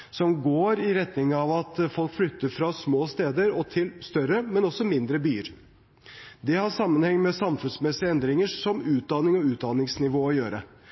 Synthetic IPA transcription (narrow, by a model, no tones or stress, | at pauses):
sɔmɡoːɾɪɾɛt̪nɪŋɑʋɑt̪fɔlkflʏt̪ːəɾfɾɑsmoːst̪eːd̪əɾɔt̪ʰɪlst̪œɾəmɛnɔsɔmɪnd̪ɾəbyːəɾ | d̪ɛhɑʂɑmːənhɛŋnmɛsɑmfʉnsmɛsɪəɛnd̪ɾɪŋəsɔmʉːt̪̚d̪ɑnɪŋɔʉːt̪̚d̪ɑnɪŋsnɪʋoːɔjøːɾə